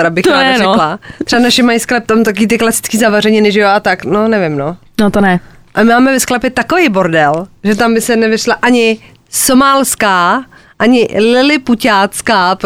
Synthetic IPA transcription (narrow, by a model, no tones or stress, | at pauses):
ɛɾabɪxt̪anɛɾɛklat̪ɾ̥ɛbanaʃɛmajisklɛp̚t̪omt̪akoviːt̪ɪklasɪ̥t͡skiːzavarɛɲɪnɪʒɛoat̪aknonɛvɪmno | not̪onɛ | ʔamɪmaːmɛvɛsklɛpɪt̪akovejbo̞ɾdɛlʒɛt̪ambɪsɛnɛvɪʃlaʔaɲɪ | somaːlskaːʔaɲɪlɪlɪpucaːt͡skaːp